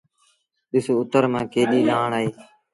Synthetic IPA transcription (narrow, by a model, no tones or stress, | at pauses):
ɗɪsoːʊt̪əɾmãːkeːɗiːlaːɳaːeː